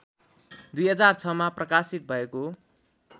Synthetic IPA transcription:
d̪ujɦʌd͡zart͡sʰʌmaprʌkasit̪̚bʱʌeko

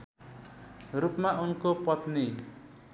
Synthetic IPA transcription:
rupmaʔunkopʌt̪ni

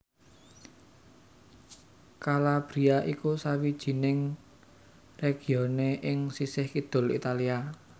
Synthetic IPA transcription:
kalab̥ɾiaʔikusawid̥ʒ̥i̤nɪŋ | reɡ̥i̤oneʔɪŋsisɪhkid̪̥ʊ̤lḭt̪alia

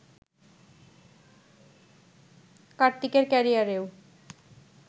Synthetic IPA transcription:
kaɾt̪ːikeɾkɛɾijaɾew

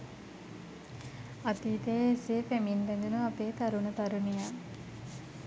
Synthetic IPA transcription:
ɐt̪iːt̪eːeseːfæmindɛd̪unuɐpeːt̪ɐɾunɐt̪ɐɾunijaː

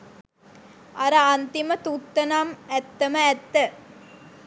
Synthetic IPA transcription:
ɐɾɐɐnt̪imɐt̪ut̪ːɐnamɛt̪ːɐmɐɛt̪ːɐ

